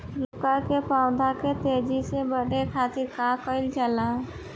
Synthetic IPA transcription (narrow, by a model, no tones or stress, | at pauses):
lʊkakepaʊd̪ʱaket̪ed͡ʒisebəɽ̤ʱekʰat̪ɪɾkakəɪlt͡ʃəla